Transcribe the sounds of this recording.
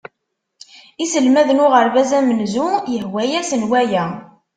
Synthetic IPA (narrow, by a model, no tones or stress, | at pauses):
isəlmæðnʊʁəɾvæzæmənzujəhwæjæsənwæjæ